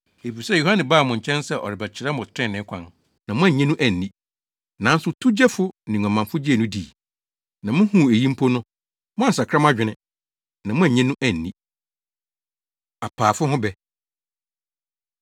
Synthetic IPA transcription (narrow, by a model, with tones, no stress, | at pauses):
e˨bi˨sɛ˦˨ju˨hã˦nɪ̃˨baː˦˨mʊ̃˨ɲ̩˨t͡ɕʰɛ̃˦nsɛ˦ʔɔ̰˨ɾɪ˨bɛ˨t͡ɕʰɪ˨ɾɛ˦mʊ̃˨stʰɾɪ̃˦˨nɪ̃˨˦kʷʰã˦n | nã˨mʊ̃˦æ̃˦˨ɲɛ̃˦nũ˦ʔæ˦˨n̩˨nĩ˦ | nã˨˦n˦sʊ˦tʰu˦d͡ʑɛ˦fʊ˦nɪ̃˨ã˨mã˨nfʊ˦d͡ʑi˦ɛ˨nũ˦di˨ | nã˨mʊ̃˦hũ˦˨e˨jĩ˦m̩˦pʰo˦nʊ̃˦ | mʊ̃˦a˦˨s̬a˨kʰɾa˦m˦a˦d͡ʑᶣɪ˨nɪ̃˨ | nã˨mʊ̃˦æ̃˦˨ɲɛ̃˦nʊ̃˦ʔæ˨n̩ː˨ĩ˦ | a˨pʰaː˨fʊ˦hʊ̃˦bɛ˦